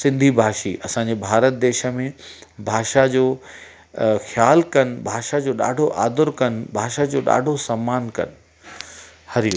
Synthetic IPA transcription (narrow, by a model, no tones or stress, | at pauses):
sɪ̃nd̪ʱibʱaːʃiʔɐsãɲ̆d͡ʑebʱaːɾət̪̚d̪eːʃə̆mẽbʱaːʃad͡ʑoː | xjaːlkɐn̆bʱaːʃad͡ʑoːɗa̰ːɖʱoʔa̰ːd̪ʊɾkɐnbʱaːʃad͡ʑoːɗa̰ːɖʱosamːaːnkɐ̰nɪ̆ | hɐɾij